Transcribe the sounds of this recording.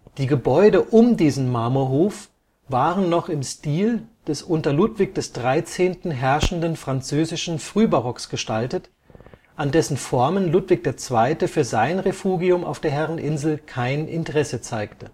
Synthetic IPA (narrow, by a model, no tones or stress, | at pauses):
d̥iːɡəbɔʏdəʔʊmdiːzn̩maːmuɐɦoːf | vaːʁənːɔχɪmstiːld̥ɛsʔʊntɐlutv̥ɪk̚d̥ɛsd̥ʁaɪt͡seːntn̩ɦɛɐʃn̩dənfʁ̥ant͡søːzɪʃn̩fʁ̥yːbaʁɔksɡ̥əʃtaltət | ʔandɛsn̩fɔɐmənlʊtv̥ɪk̚d̥eːɐt͡sv̥aɪtəfyːɐzaɪnʁefuːɡiʊma̰ʊfd̥eːɐɦɛʁənʔɪnzl̩kʰaɪnʔɪntəʁɛsət͡saɪktə